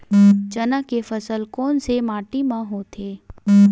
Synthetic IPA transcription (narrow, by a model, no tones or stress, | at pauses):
t͡ʃɐnakefɐsəlkɔːnsemaːʈimãɦot̪ʰeː